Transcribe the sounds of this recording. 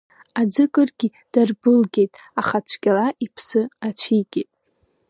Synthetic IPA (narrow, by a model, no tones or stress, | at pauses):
ad͡zɨkʼɨrɡʲi | d̥arbɨlɡʲe̞jtʼaχat͡sʷʰɡʲʼalaʔipʰsɨat͡ɕʷʰiɡʲʼetʼ